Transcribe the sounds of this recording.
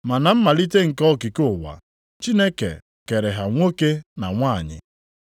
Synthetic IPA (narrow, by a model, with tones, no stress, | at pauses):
ma˨na˨m̩˦ma˨li˦te˦ŋ̩˨kɔ˦ki˨ko˦˨wa̰˨ | t͡ʃi˦ne˦kḛ˨ | ke˨ɾe˨ɦa˨ŋʷo˦ke˦na˨ŋʷaː˦˨ɲɪ̰˨